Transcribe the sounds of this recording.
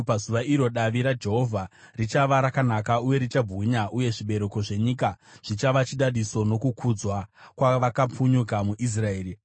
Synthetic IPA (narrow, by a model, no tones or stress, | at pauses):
pazuʋaiɾo̞ɗaʋiɾad͡ʒe̞ɦo̞vʱa | rit͡ʃaʋaɾakanakauje̞ɾit͡ʃabʱuɲaʔuje̞ʐiɓe̞ɾe̞ko̞ʐe̞ɲikaʐ̥it͡ʃaʋat͡ʃiɗaɗiso̞no̞kukʰud͡zwakwaʋakap͡fuɲukamuʔis̬raeːri